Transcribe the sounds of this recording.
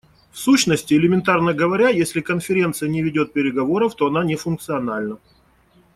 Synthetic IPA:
fsuɕnəsʲtʲɪɪlʲɪmʲɪnt̪arnəɡəvɐɾʲajesʲlʲɪkənfʲɪɾʲe̞nt̪sɨjənʲɪvʲɪdʲo̞t̪̚pʲɪɾʲɪɡɐvo̞ɾəft̪oɐnanʲɪfʊnk̚t̪sɨɐnalʲnə

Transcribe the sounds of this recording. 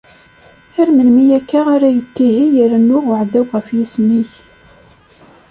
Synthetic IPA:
æɾmənmijækːaʁaɾæjət̪ːihijəɾænːʊʁʊʕd̪æwʁəfjismiç

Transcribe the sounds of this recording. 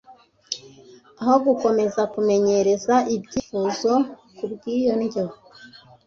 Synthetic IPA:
aho̞ɡuko̞me̞zakume̞ɲe̞ɾe̞zaʔibɟiːfuzo̞kubɡiːjo̞nio

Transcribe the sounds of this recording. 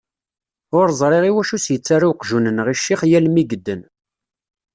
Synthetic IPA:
ʊɾzˤɾˤeʁiwæʃusjət͡sːaɾaqʒunənʁiʃːiχjælmiɡəd̪ːən

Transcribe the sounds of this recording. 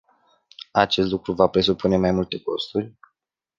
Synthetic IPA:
at͡ʃest̪lukɾuvapɾe̞supʰune̞majmult̪e̞ko̞st̪urʲ

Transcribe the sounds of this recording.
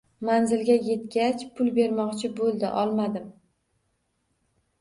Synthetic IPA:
manzɪlɡʲaje̞t̪̚ɡʲat͡ʃpʰʊlˠbe̞ɾmɒqt͡ʃʰɪbolˠd̪ɪʔɒlˠmad̪ɪm

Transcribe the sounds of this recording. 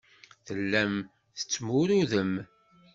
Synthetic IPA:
θəlːæm | θə̥t͡sːmʊɾuðəm

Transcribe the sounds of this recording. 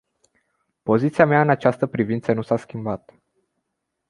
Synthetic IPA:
po̞zit̪siameaɨnat͡ʃast̪əpɾivint̪sənusaskʲimbat̪

